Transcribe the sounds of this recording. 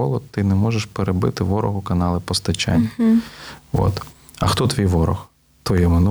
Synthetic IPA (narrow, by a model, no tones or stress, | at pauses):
ɔlˠɔt̪ɪnɛmɔʒeʃpeɾebɪ̰t̪ɪʋɔɾɔɦʊkɐnɑlˠɪpɔst̪ɐt͡ʃa̰nʲːɐ | ʋo̰t̪ | ɐxt̪ɔt̪ʋʲijʋɔɾɔ̰x | t̪ʋɔjɛmɐnu